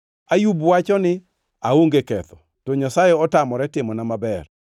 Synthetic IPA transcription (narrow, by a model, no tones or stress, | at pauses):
ajubwat͡ʃɔnɪ | aoŋɡekɛt̪ɔ | tɔɲasajɛɔtamɔɾɛtɪmɔnamabɛr